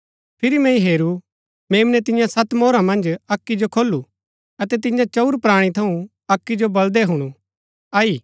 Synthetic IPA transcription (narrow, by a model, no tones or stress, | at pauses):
pʰɪɾimɛ̃ĩɦeːɾu | meːmnɛt̪ɪ̃jãsɐt̪moːɾãmɐ̃nd͡ʒɐkːid͡ʒokʰoːlːu | ɐt̪ɛt̪ɪjãt͡ʃɐuɾpɾaːɽ̃it̪ʰɐũ | ɐkːid͡ʒobɐld̪ɛɦʊɽ̃ũ | aːiː